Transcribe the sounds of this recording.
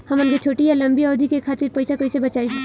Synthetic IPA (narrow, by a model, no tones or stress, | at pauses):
hɐmənɡet͡ʃʰoːʈijalə̃mbiɔːd̪ikekʰaːt̪iɾpəɪsakəisebəɐt͡ʃaːib